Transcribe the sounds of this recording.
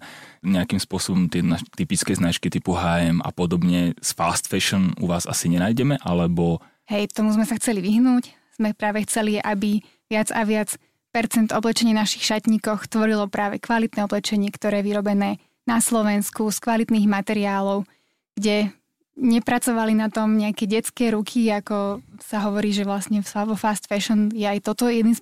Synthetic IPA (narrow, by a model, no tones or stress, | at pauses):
ɲɛakimspʊɔsɔbɔmt̪ɪɛnaʃt̪ipit͡skɛznat͡ʃkit̪ipuɦaːɛma̰pɔd̪ɔbɲɛsfast̪fɛʃɔnṵʋaːza̰siɲɛnaːjɟɛmɛʔalɛbɔ | ɦɛjt̪ɔmuzmɛsaxt͡sɛliʋiɦnuːc | z̥mɛpɾaːʋɛxt͡sɛliʔabi | ʋɪad͡zaʋɪat͡s | pɛɾt͡sɛnt̪ɔblɛt͡ʃɛɲɪinaʃixʃat̪ɲiːkɔxt̪ʋɔɾilɔpɾaːʋɛkʋalit̪nɛːɔblɛt͡ʃɛɲɪɛkt̪ɔɾɛːjɛʋiɾɔbɛnɛː | naslɔʋɛnskuskʋalit̪niːɣmat̪ɛɾiaːlɔʊ | ɡ̥ɟɛ | ɲɛpɾat͡sɔʋalinat̪ɔmɲɛakɛːɟɛt͡skɛːɾukʰiakɔsaɦɔʋɔɾiːʒɛʋlasɲɛʋɔfast̪fɛʃɔnjɛajt̪ɔt̪ɔjɛd̪nins